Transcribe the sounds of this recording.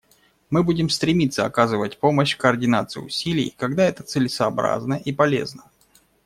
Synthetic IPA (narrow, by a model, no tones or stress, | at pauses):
mɨbudʲɪmst̪ɾʲɪmʲit̪səɐkazɨvətʲpo̞məɕkəːrdʲɪnat̪sɨjʊ̰ʊ̰sʲilʲɪ̰jkɐɡd̪aɛt̪ət̪sɨlʲɪsɐːbɾa̰znəʔipɐlʲe̞̰znə